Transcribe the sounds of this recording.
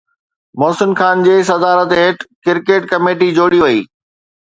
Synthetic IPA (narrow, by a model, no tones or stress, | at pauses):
mɔːsɪnxaːnd͡ʑeːs̬ɐd̪aːɾət̪ɦeːʈkɪɾkeːʈkɐmeːʈid͡ʑoːɽijoʋɐḭː